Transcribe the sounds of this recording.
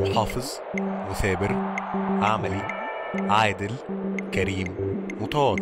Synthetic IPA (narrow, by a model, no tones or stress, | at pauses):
ʊħɑːfɨzˤ | mʊθæːbɪɾʔaʕmæli | ʕaːjd̪ɪl | kæɾiːmː | ʊt̪ɑwɑd̪